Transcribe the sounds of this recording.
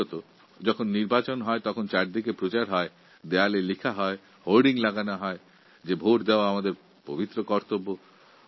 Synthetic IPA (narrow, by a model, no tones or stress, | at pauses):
ɔt̪o | d͡ʒɔkʰonːiɾbat͡ɕonɦɔet̪ɔkʰont͡ʃaɾd̪ikepɾot͡ʃaɾɦɔe | d̪ealelikʰaɦɔe | hoɾɖiŋlaɡanaɦɔe | d͡ʒebʱoɾd̪eoaamad̪eɾ | pobit̪ːɾokɔɾt̪obo